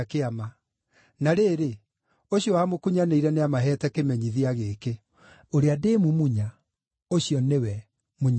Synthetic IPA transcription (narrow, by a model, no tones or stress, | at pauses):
keama | naɾeːɾe | oɕiɔwamokuɲaneiɾɛneamaɦɛtɛkemɛɲiðiaɣeke | oɾeademumuɲa | oɕjɔnewɛ | muɲ